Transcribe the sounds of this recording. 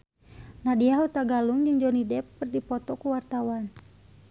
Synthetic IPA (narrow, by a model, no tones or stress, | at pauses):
nadiaɦut̪aɡaluŋd͡ʒɨŋd͡ʒɔnidɛpːərdipɔt̪ɔkuwart̪awan